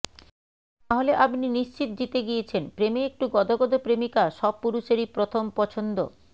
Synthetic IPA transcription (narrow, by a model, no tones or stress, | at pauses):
t̪aɦoleʔapniniʃt͡ɕit̪̚d͡ʑit̪eɡijet͡ɕʰenpɾemeek̚ʈuɡɔd̪oɡɔd̪opɾemikaʃɔb̚puɾuʃeɾipɾot̪ʰompɔt͡ɕʰond̪o̰